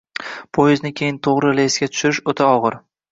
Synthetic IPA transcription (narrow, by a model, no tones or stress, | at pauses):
pʰojɪznɪkʲʰe̞jɪnt̪ʰoʁɾɪleɪsɡʲat̪ʰʊ̥ʃɪɾɪʃot̪ʰaɒʁɨɾ